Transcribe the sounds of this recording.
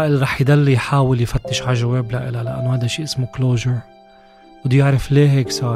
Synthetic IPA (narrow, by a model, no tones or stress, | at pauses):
aʔɪlɾˤɑːħjd̪alːijħaːwɪljfat̪ːɪʃʕaʒaweːblaʔɪlalaʔa̰nːohajd̪aʃiːʔɪsmukloːʒəɾ | ʊd̪ʊjɪʕɾɪfleːɦeːksˤɑːɾ